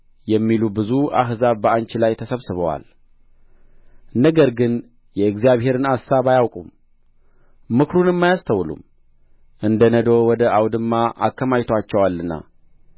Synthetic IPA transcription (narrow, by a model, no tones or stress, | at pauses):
jɛmːilubɨzua̰ɦzaβbəʔant͡ʃilajt̪ʰəsəβsɨβəwa̰l | nəɡəɾɡɨn | jɛɨɡzijaβɦe̞ɾɨnasaβajawkʼum | mɨkɾunɨmːajast̪ʰəwlṵm | ʔɨnd̪ənəd̪owɔd̪əʔawd̪ɨmːaʔa̰kːəmajt̪ʰwat͡ʃːɛwalːɨnːa̰